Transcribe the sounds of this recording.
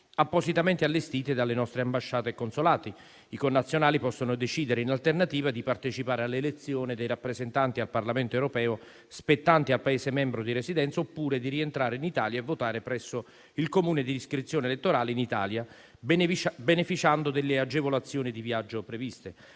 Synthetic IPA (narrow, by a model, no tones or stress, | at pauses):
apːosit̪ament̪ealːest̪iːt̪ed̪alːenɔst̪ɾeambaʃːaːt̪ekonsolaːt̪i | ikonːat̪sːjonaːlipɔsːonod̪et͡ʃiːd̪eɾeinalt̪ernat̪iːvad̪ipart̪et͡ʃipaːɾealːelet̪sːjoːnid̪ejɾapːɾezent̪ant̪ialparlament̪oɛwɾopɛːo | spet̪ːant̪ialpaeːsemɛmbɾod̪iɾesid̪ɛnt̪saopːuːɾed̪iɾient̪ɾaːɾeinit̪aːljaevːot̪aːɾepɾɛsːo | ilkomuːned̪iiskɾit̪sːjoːnelet̪ːoɾaːleinit̪a̰ːlja | benefit͡ʃand̪od̪elːead͡ʒevolat̪sːjoːnid̪ivjad͡ʒːopɾevist̪e